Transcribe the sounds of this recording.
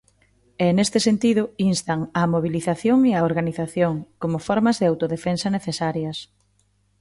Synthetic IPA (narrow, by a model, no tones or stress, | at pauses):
ɛnest̪ɪsent̪iðʊinst̪ɐŋɐmoβiliθaθjoŋeaoɾɣaniθaθjoŋkomʊfɔɾmɐzðɪawt̪oðefensɐneθesaɾjɐs